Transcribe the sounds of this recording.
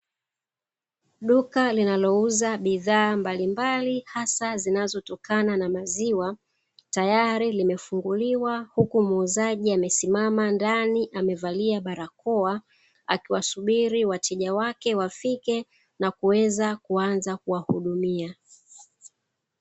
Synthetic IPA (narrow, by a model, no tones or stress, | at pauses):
ɗukalinalɔuzaɓiðaːmbalimbalihasazinazɔtɔkananamaziwa | tajaɾilimɛfuŋɡuliwahukumuzaʄiamɛsimamandaniʔamɛvaliaɓaɾakɔa | a̰kiwasuɓiɾiwatʰɛʄawakɛwafikɛ | nakuwɛzakuanzakuwahuɗumia